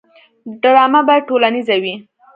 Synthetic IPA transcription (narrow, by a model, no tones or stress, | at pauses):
ɖɾɑmabaʈolanizawi